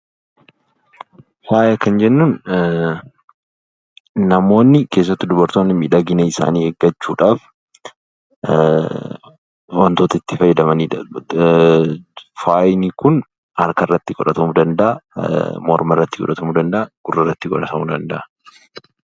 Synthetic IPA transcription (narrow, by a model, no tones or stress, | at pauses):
faːjɐkːɐnd͡ʒɛnːuːn | nɐmo̞ːnːɪke̞ːs̬ːɐt̪ːʊd̪ʊbɐɾt̪oːnːɪmiᶑɐɡɪnɛɪsa̰ːniːheɡːɐt͡ʃːuːᶑaːf | wɐnt̪oːt̪ɐɪt̪ːɪfɐjɛd̪ɐmɐniː | faːjnikʊn | hɐɾkɐrːɐt̪ːɪkʼɔᶑɐt̪ɐmud̪ɐnd̪ɐʔɐmɔɾmɐrːɐt̪ːɪkʼɔ̰ᶑɐt̪ɐmud̪ɐnd̪ɐʔɐɡ̥ʊrːɐrːɐt̪ːɪkʼɔᶑɐt̪ɐmud̪ɐnd̪ɐʔɐ